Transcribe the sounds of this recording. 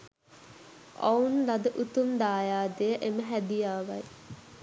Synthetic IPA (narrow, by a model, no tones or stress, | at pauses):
a̰unlad̪əʔut̪umd̪aːjaːd̪ejəʔeməɦæd̪ijaːʋɐ̰j